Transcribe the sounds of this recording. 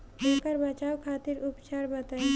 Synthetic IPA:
ɦeːkəɾbɐt͡ʃaːwkʰaːt̪ɪɾʊpt͡ʃaːɾbət̪ã

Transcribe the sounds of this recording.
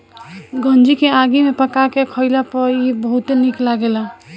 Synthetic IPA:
ɡə̃nd͡ʒikeaɡimepəkakekʰəɪlapəɾibəɦut̪eniklaɡela

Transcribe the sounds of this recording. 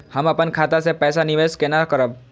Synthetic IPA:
həmɐpənkʰaːt̪asepɛːsanɪʋeːskenakəɾəb̚

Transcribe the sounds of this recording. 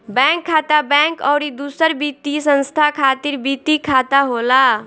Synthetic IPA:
bɛ̃ŋkʰːat̪abɛ̃ŋkɔʊɾid̪usəɾbit̪isə̃nst̪ʰakʰat̪iɾbit̪ikʰat̪aɦola

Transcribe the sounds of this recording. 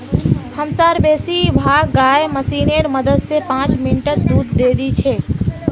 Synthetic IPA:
həmsaɾbesibʱaɡɡaeməsineɾməd̪əd̪sepãt͡ʃminʈət̪̚d̪uɾd̪ed̪it͡ʃʰɛ

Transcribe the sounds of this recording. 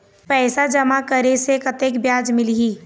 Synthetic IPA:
pɛːsad͡ʒɐmakəɾesekɐt̪eːkbjaːd͡ʒmɪlɦiː

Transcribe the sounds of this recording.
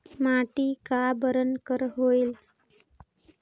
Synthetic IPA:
maʈiːkabəɾənkəɾɦoil

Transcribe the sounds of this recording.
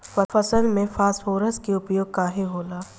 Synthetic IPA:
ʋɐfɐsəlmẽfaːshoːɾəskeʊpjoːɡ̚kaːɦeɦoːlaː

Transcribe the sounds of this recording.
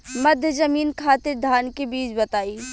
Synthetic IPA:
mɐd̪ʱjəzɐmiːnkʰaːt̪ɪɾd̪ʱaːnkebiːt͡ʃbɐt̪aːiː

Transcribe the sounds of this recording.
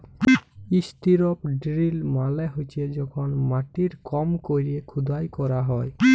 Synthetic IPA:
ist̪iɾɔpɖɾilmalɛɦojt͡ʃʰed͡ʒɔkʰɔnmaʈiɾkɔmkoɾiekʰud̪ajkɔɾaɦɔj

